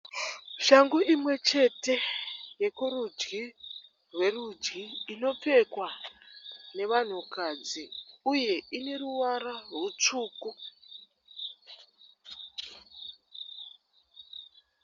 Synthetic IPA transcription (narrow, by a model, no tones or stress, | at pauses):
ʃaŋɡuimwe̞t͡ʃe̞te̞je̞kurud͡ʒɡi | rwe̞rud͡ʒɡiːno̞p͡fe̞kwa | ne̞ʋan̤ukad͡ziuje̞ine̞ruwaɾarut͡ʂuːku